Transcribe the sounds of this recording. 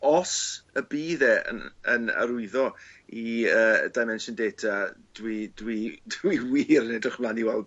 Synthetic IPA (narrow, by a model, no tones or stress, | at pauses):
ɔsəbiːðɛə̰nəna̰ɾʊɨðɔiəːdajmɛnʃəndeːtʰad̥widwidiwiːɾənɛdrɪχmlˠaniwɛlˠd